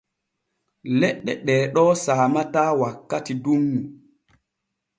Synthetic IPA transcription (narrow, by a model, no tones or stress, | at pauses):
lɛɗːɛ̰ɗɛːɗɔːsaːmataːwakːatidumːu